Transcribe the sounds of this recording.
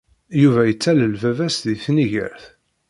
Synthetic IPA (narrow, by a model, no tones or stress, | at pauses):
juvæjət͡sːæləlvævæsðiθniʝə̰ɾθ